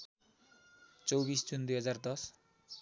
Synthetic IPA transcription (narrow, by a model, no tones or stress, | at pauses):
t͡sowbisd͡zund̪ujɦʌd͡zard̪ʌs